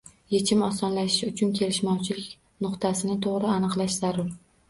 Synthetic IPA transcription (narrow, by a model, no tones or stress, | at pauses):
je̞t͡ʃʰɪmɒsɒnlaʃɪʃʊt͡ʃʰʊnkʲʰe̞lɪʃmɒwt͡ʃʰɪlɪkʲ | nʊqt̪ʰasɪnɪt̪ʰoʁɾɪanɨqlˠaʃz̥aɾʊɾ